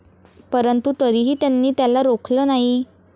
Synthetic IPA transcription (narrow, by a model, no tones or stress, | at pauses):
pəɾənt̪ut̪əɾiːɦiːt̪janːiːt̪jalaɾokʰləːnaɦi